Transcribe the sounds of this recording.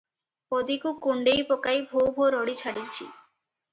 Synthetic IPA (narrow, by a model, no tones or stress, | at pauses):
pod̪ikukuɳɖejpokajbʱowbʱoɾoɽit͡ɕʰaɽit͡ɕʰi